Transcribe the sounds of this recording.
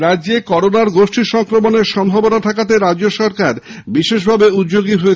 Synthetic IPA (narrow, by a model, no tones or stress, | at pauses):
ɾad͡ʑekɔɾonaɾɡoʃʈiʃɔŋkɾomoneɾʃɔmbʱɔbonat̪ʰakat̪eɾadd͡ʑoʃɔɾkaɾ | biʃeʃbʱabeut̪d͡ʑoɡiɦoet͡ɕ